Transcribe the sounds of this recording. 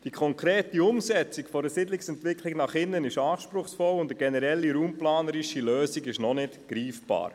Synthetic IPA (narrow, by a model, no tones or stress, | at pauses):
d̥ikʰɔŋkɾeːtiʊmsɛt͡sikfɔɾəsɪdlɪksɛntʋɪkliɡnɑχɪnːənɪʃɑːʃpɾʊχsfɔlʊndəɡɛnəɾɛlːiɾuːmplɑːnəɾiʃiløːsiɡɪʃnɔnɪtɡ̥ɾiːfb̥ɑ̰ːɾ